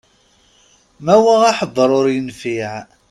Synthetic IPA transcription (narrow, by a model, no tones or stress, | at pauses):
mæwæʁaħəðˤːɾˤʊɾjənfiʕ